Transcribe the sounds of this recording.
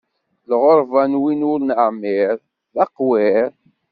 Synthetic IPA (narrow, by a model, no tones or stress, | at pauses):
lʁoɾˤvænwinʊlnəʕmɪɾ | ðɑqwɪɾ